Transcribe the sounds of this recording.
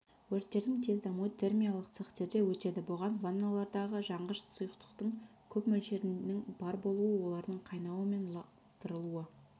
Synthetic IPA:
wɵɾt̪ːe̞ɾd̪ɪŋt̪ʰe̞zd̪ɑmuət̪ʰe̞rmʲijalˠəqt̪seχt̪e̞ɾd̪e̞wɵt̪e̞d̪ɪbʊʁɑnvanːalˠɑɾd̪ɑʁəʒɑɴʁəʃsujəqt̪ə̥qt̪əɴkʲʰɵpmɵlʃe̞ɾɪnɪŋbɑɾbo̞lˠuəwo̞lˠɑɾd̪əɴqʰɑjnɑwəme̞nˠɑ | t̪əɾəlˠuə

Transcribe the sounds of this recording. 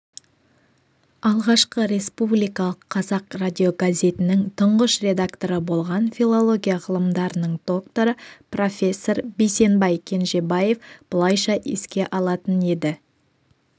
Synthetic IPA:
ɑlˠʁɑʃqəɾe̞spublijkɑlˠəqʰːɑzɑqradʲio̞ɡazʲe̞t̪ɪnɪŋt̪ʰʊɴʁəʃre̞d̪akt̪o̞ɾəbo̞lˠʁɑnfʲilˠo̞lˠo̞ɡʲijaʁəlˠəmd̪ɑɾənəɴd̪̥o̞kt̪o̞ɾəpro̞fʲe̞sːo̞ɾbejse̞nbɑjkʲʰe̞nʒe̞baje̞fb̥ʊlˠɑjʃɑʔḛskʲe̞ʔɑlˠɑt̪əne̞d̪ɪ

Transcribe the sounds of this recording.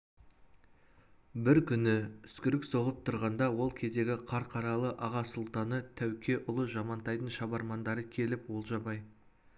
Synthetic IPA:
bɪɾkʲʏnɪʏskʲɪɾɪkso̞ʁəp̚t̪ʰʊɾʁɑnd̪ɑwo̞lˠkʲʰe̞zd̪e̞ɡʲɪqʰɑɾqʰɑɾɑlˠəʔɑʁɑsʊlˠt̪ɑnət̪ʰæwkʲʰe̞ʔʊlˠəʒɑmɑnt̪ɑjt̪ənʃɑbɑɾmɑnd̪ɑɾəkʲʰe̞lɪpwo̞lˠʒɑbɑj

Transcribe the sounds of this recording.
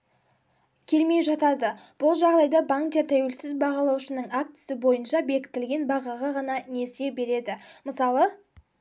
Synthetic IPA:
kʲʰe̞lme̞jʒɑt̪ɑd̪əb̥ʊlˠʒɑʁd̪ɑjd̪ɑbaŋkd̪e̞ɾt̪ʰæwe̞lsɪzbɑʁɑlˠɑwʃənəɴak̚t̪ɪ̥sɪbo̞jənʃɑbe̞kʲɪ̥t̪ɪlɡʲe̞nbɑʁɑʁɑʁɑnɑne̞se̞be̞ɾe̞d̪ɪməsɑlˠə

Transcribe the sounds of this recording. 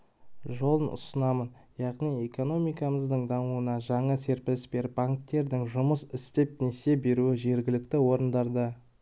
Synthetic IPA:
ʒo̞lˠənʔʊ̰sənɑmən | jɑʁnije̞ko̞no̞mijkɑməzd̪əɴd̪ɑmuənɑʒɑɴɑse̞ɾpɪlsbe̞ɾbaŋk̚t̪ːe̞ɾd̪ɪŋʒʊməsɪst̪e̞p̚ne̞se̞be̞ɾuɪʒe̞ɾɡʲɪlɪk̚t̪ɪwo̞ɾənd̪ɑɾd̪ə

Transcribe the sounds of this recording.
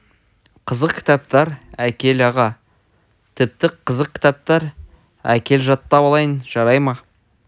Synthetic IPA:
qʰəzəqkʲʰɪ̥t̪ɑp̚t̪ɑɾækʲe̞lɑʁɑ | t̪ʰɪp̚t̪ɪqʰəzəqkʲɪ̥t̪ɑp̚t̪ɑɾ | æ̰kʲe̞lʒɑt̪ːɑbɑlˠɑjənʒɑɾɑjmɑ

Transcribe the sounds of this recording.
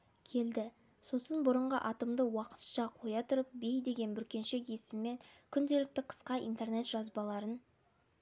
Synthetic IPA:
kʲʰe̞ld̪ɪ | so̞sənbʊɾəɴʁəʔɑt̪əmd̪əwɑqə̥t̪ʃɑqʰo̞jɑt̪ʰʊɾəp̚be̞jd̪e̞ɡʲe̞nbʏɾkʲe̞nʃe̞kje̞sɪmːe̞ŋkʲʰʏnd̪e̞lɪk̚t̪ɪqʰə̥sqɑʔḭnt̪e̞rne̞t̪ʒ̥ɑzbɑlˠɑɾən

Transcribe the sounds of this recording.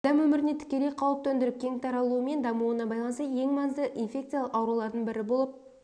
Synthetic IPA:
d̪̥æmwɵmɪɾɪnet̪ʰɪ̥kʲe̞le̞jqʰɑwəp̚t̪ʰɵnd̪ɪɾɪp̚kʲʰe̞ŋt̪ʰɑɾɑlˠuəme̞nd̪ɑmuənɑbɑjlˠɑnəst̪əje̞ŋmɑzd̪əʔinfʲe̞kt̪sɨjaləqɑwɾulˠɑɾd̪əɴbɪɾɪbo̞lˠəp̚

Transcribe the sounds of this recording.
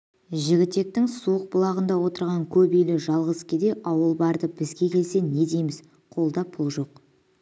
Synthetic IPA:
ʒɪɡʲɪt̪ːe̞k̚t̪ɪŋsuəq̚bʊlˠɑʁənd̪ɑwo̞t̪əɾʁɑŋkʲʰɵbejlɪʒɑlˠʁəzkʲed̪e̞ʔɑwəlˠbɑɾd̪əbɪzɡʲe̞kʲʰe̞lse̞ne̞d̪ejmɪz | qʰo̞lˠd̪ɑpʰʊlˠʒo̞q

